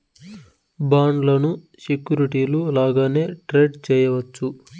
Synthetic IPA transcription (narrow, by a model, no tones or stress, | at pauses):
baːɳɖlɐnu | sekjuːɾiʈiːlulaːɡaːne̞ːʈɾeːɖt͡ʃɛːjɐʋɐt͡ʃːu